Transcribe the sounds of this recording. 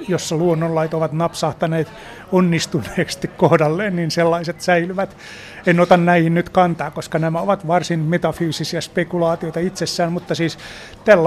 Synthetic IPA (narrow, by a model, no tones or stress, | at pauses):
josːɑluonːollɑit̪oʋɑt̪nɑpsɑht̪ɑneːt̪ | onːist̪unˑeːkst̪ikkohdɑlːeːnniːnselːɑiset̪sæilyʋæt̪ | enot̪ɑnnæihinnyt̪kɑnt̪ɑːkkoskɑnæmæoʋɑt̪ʋɑrsinmet̪ɑfyːsisiɑspekulɑːt̪ioit̪ɑit̪sesːæːnmut̪ːɑsiːs | t̪ælː